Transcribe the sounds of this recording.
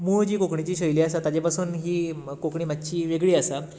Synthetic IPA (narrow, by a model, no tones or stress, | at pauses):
muːd͡ʑiːkokɳit͡ɕiːɕəjliːasat̪ad͡ʑepasuːnɦiːkokɳiːmat̪t͡ɕiːʋeɡɭiːasa